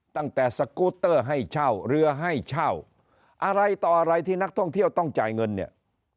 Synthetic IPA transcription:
t̪a˥˩ŋt̪ɛː˨˩sa˧koː˦˥t̪ːɤː˥˩ɦa˥˩jt͡ɕʰa˥˩wɾɯ˧ɐɦa˥˩jt͡ɕʰa˥˩w | ʔa˧ɾa˧jt̪ɔː˨˩ʔa˧ɾa˧jt̪ʰiː˥˩na˦˥k̚t̪ʰɔ˥˩ŋt̪ʰi˥˩əwt̪ɔ˥˩ŋt͡ɕaː˨˩jŋɤ˧nːi˥˩ɐ

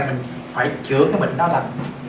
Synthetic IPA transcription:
mi˨˩ŋ̟ | faː˧˩jt͡ɕɨ˨˦əaː˨˧˦jmï˨˩ŋ̟ɗɔː˧la˨˩ŋ

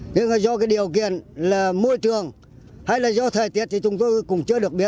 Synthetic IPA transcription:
ɲɨ˧ŋaː˨˩zɔ˧kaː˨˦jɗi˨˩əwk̬i˧˨ənlaː˨˩mo˧jt͡ɕɨ˨˩əŋ | ha˧jlaː˨˩zɔ˧t̪ʰəː˨˩jt̪i˨˥ət̚t̪ʰi˨˩t͡ɕʊ˨˦ŋ͡mt̪o˧jkʊ̰˧˩ŋ͡mt͡ɕɨ˧əɗɨ˨˩ək̚ɓi˦˥ət̚

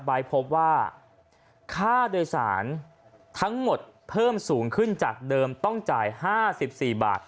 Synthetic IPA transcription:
t̪̚ba˧jpʰo˦˥p̚waː˥˩ | kʰaː˥˩doː˧jsa̰ː˩˦n | t̪ʰa˦˥ŋmo˨˩t̪̚pʰɤː˥˩msuː˩˦ŋkʰɯ˥˩nt͡ɕaː˨˩k̚dɤː˧mt̪ɔ˥˩ŋt͡ɕaː˨˩jhaː˥˩si˨˩p̚siː˨˩ba̰ː˨˩t̪̚

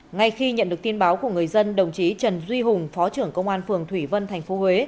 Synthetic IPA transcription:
ŋa˧˩jxi˧ɲə̰˧˨nɗɨ˨˩ək̚t̪i˧ənɓaː˨˦wku˧˩əŋɨ˨˩əjzə˧nɗə˨˩wŋ͡mt͡ɕi˨˦t͡ɕə˨˩nzwi˧ɦʊ˨˩ŋ͡mfɔ˨˦t͡ɕɨ˧˩əŋkə˧wŋ͡mʔaː˧nfɨ˨˩əŋt̪ʰwi˧˩və˧nt̪ʰa˨˩jŋ̟fo˨˦hwe˨˦

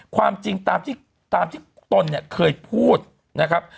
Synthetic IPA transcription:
kʰwaː˧mt͡ɕi˧ŋt̪aː˧mt̪ʰiː˥˩ | t̪aː˧mt̪ʰiː˥˩ | t̪o˧nːi˥˩kʰɤː˧jpʰuː˥˩t̪̚ | na˦˥kʰa˦˥p̚

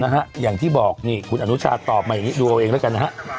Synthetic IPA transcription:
na˦˥ka˦˥ʔjaː˨˩ŋt̪ʰiː˥˩bɔː˨˩k̚niː˥˩kʰu˧nʔa˧nu˦˥t͡ɕʰa̰ː˧t̪ɔː˨˩p̚maː˧ja˨˩ŋiː˦˥duː˧ʔa˧wʔeː˧ŋdɔ˦˥jka˧nːa˦˥ɦa˦˥ʔ

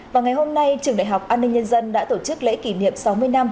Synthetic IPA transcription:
vaː˨˩wŋa˨˩jho˧mna˧jt͡ɕɨ˨˩əŋɗa̰ː˧˨jɦa˨˩wk͡p̚ʔaː˧nːï˧ŋ̟ɲə˧nzə˧nɗa̰ː˧˥t̪o˧˩t͡ɕɨ˦˥k̚lḛ˧˥ki˧˩nḭ˧˨əmsa˨˦wmɨ˧əjna˧m

